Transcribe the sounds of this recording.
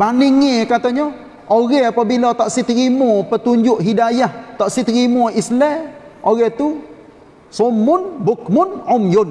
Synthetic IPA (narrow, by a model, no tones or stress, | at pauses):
baniŋekat̪aɲɔ | oɣɛhapabilɔt̪aʔsit̪ɾimopət̪uɲd͡ʒʊʔɦidajaht̪ɔʔsit̪ɾimoislɛoɣɛt̪u | somʊnbʊkmʊnʊmjʊn